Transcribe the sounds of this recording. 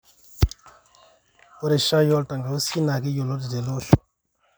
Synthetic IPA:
o˦ɾe˨ʃa˦jɔ˦lta˨ŋɡa˨o˦si˦na˨ki˦jo˨lo˦di˨de˨lo˦ʃu̥˨

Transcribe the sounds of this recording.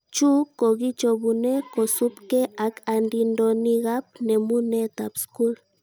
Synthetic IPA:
t͡ʃu˦ko˨ɣi˦t͡ʃo˨bu˨ne˦ko˨su˦pke˦ʔa˨ka˨ndi˨ndo˨ni˦ɣa˦p̚ne˨mu˦ne˦t̪a˨psku˦l

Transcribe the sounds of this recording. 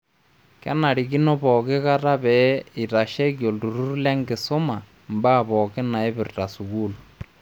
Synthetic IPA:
kḛ˦na˨ɾi˨ki˦no˦βo˨ke˦ɣa˦ɾa˦βɛ˨˦i˨ɾa˨ʃe˦kjo˨ldu˨ɾu˦ɾu˦le˦ŋɡe˨so˦ma˨ | mba˦˨βo˨ke˦na˨e˦βi˨ɾta˨su˨ɣu˦lu

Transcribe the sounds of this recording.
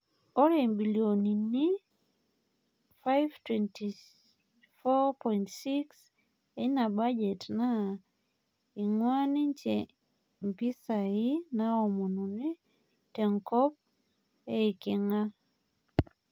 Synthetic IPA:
ɔ˦ɾe˨mbi˨ljo˨ni˨ni˦ | fa˦jvtwɛnti˨ | fɔ˦pɔintsi˦ks | e˦na˨ba˦d͡ʒɛ˨tna˦ | i˨ŋwa˦ni˦t͡ʃe | mpi˦sa˨ɪ˦na˦ɔ˨mo˨no˨ni˦ | tɛ˨ŋkɔ˦p̚ | e˦i˨kɪ˨ŋa˦

